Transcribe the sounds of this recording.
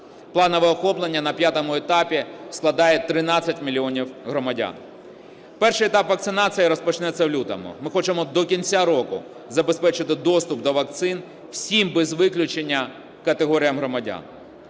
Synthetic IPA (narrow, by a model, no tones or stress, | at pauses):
plˠɑnɔʋɛɔxɔplˠenʲːɐnɐpʲjat̪ɔmʊɛt̪ɑpʲisklˠɐd̪ɑjɛt̪ɾɪnɑt͡sʲːɐtʲmʲilʲiɔnʲiwɦɾɔmɐdʲa̰n | pɛrʃɪjɛt̪ɑpʋɐk̚tsɪnɑt͡sʲijiɾɔspɔt͡ʃnɛt͡sʲːɐwlʲut̪ɐ̰mʊ̰mɪxɔt͡ʃemɔd̪ɔkʲinʲt͡sʲaɾɔkʊ̰ | zɐbespɛt͡ʃɪt̪ɪd̪ɔst̪ʊpd̪ɔʋɐk̚t̪sɪn | wsʲimbɛzʋɪklʲʊt͡ʃenʲːɐ | kɐt̪eɦɔɾʲijɐmɦɾɔmɐdʲa̰n